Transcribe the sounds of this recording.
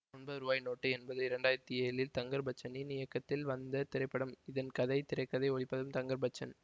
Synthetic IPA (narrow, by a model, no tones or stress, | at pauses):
ɔnbɐɾuːbaːjnoːʈːɯɛnbɐðɯɪɾɐɳɖaːjɪɾɐt̪ːieːɭɪlt̪ɐŋɡɐɾbɐt͡ʃːɐninɪjɐkːɐt̪ːɪlʋɐnd̪ɐt̪ɪɾɐɪpːɐɽɐmɪðɐnkɐðɐɪt̪ɪɾɐɪkːɐðɐɪɔɭɪpːɐðɯmt̪ɐŋɡɐɾbɐt͡ʃːɐn